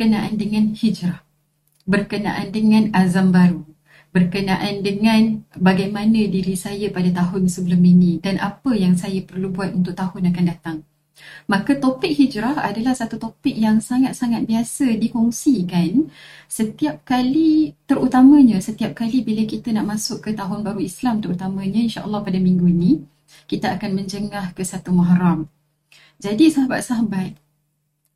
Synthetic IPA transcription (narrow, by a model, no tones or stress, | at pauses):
ənaʔandəŋãnhid͡ʒɾah | bərkəna̰ʔandəŋãnazambaɾu | bərkənaʔandəŋãnbaɡajmanə̃diɾisajapadat̪aɦʊnsəbəlʊminĩdanʔa̰pəjaŋsajapərlubuat̪̚unt̪ʊk̚t̪ahʊnakandat̪aŋ | makat̪opɪk̚hid͡ʒɾaha̰dalahsat̪ut̪opɪk̚jaŋsaŋat̪̚saŋat̪̚biasədikɔŋsikansət̪iap̚kalit̪əɾut̪amə̃ɲãsət̪iap̚kalibiləkit̪anaʔmãsʊkːət̪aɦʊnbaɾuislamt̪əɾut̪amãɲãinʃaʔə̰lːɑhpadamĩŋɡuinĩ | kit̪aʔakanmə̃ɲd͡ʒəŋahkəsat̪umaɦɾam | d͡ʒadisaɦaba̰t̪̚saɦabat̪̚